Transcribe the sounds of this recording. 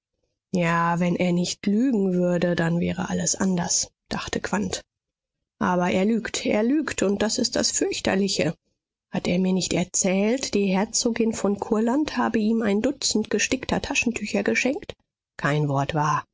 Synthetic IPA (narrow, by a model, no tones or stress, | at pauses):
jaːvɛnʔeːɐnɪçtlyːɡŋ̩vʏɐdədanvɛːʁə̰ʔaləsʔandɐsd̥aχtʰəkv̥ant | ʔaːβɐʔeːɐlyːktʰʔḛːɐlyːktʊnt̚d̥asɪst̚d̥a̰sfʏɐçtɐ̰lɪçə | hateːɐmiːɐnɪçtɛɐt͡sɛːltd̥iːhɛɐt͡soːɡɪnfɔnkʰʊɐlanthaːbəʔiːmaɪndʊt͡sn̩tɡ̥əʃtɪktʰɐtʰaʃn̩tʰyçɐɡəʃɛŋkt | kʰaɪnvɔɐtv̥aːɐ